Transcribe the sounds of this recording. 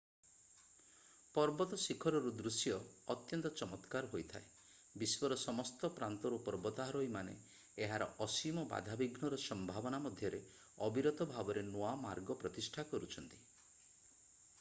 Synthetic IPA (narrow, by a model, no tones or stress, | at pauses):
pɔɾbɔt̪ɔsikʰɔɾɔɾud̪ɾusjɔːt̪jɔnt̪ɔt͡ʃɔmɔt̪kaɾɦojt̪ʰae | biswɔɾɔsɔmɔst̪ɔpɾant̪ɔɾupɔɾbɔt̪aɦaɾojmanḛ | eɦaɾɔɔsimɔba̰d̪ʱabiɡnɔɾɔsɔmbʱabɔnamɔd̪ʱjɔɾe | ɔbiɾɔt̪ɔbʱabɔɾenoamaɾɡɔpɾɔt̪isʈʰakɔɾut͡ʃʰɔn̪t̪i̥